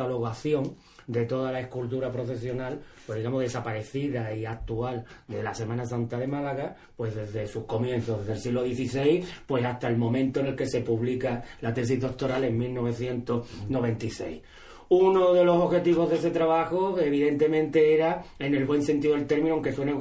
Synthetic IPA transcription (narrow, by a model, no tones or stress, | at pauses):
alo̞ɣaθjõ̞ŋ | d̪e̞t̪o̞ðalaehkult̪̬uɾapɾo̞fe̞sjo̞nalpwe̞zðiɣamoðe̞sapaɾe̞θiðaiak̚t̪uald̪e̞lase̞mãnasant̪aðe̞malaɣa | pwe̞zðe̞zðe̞suko̞mjẽ̞nθoðeðelsiɣloðje̞θise̞jpwe̞sast̪aelmõ̞mẽnt̪oene̞lke̞se̞puβlikalat̪e̞s̬izðo̞k̚t̪o̞ɾale̞ŋmilno̞β̞e̞θje̞nt̪osnoβ̞e̞nt̪ise̞j | uno̞ðe̞lo̞so̞xe̞t̪iβ̞o̞ɦðese̞t̪ɾaβaxoeβiðe̞nt̪e̞mẽ̞nt̪e̞eɾaene̞lβwe̞nse̞nt̪iðoelt̪e̞ɾmĩnuãŋke̞swene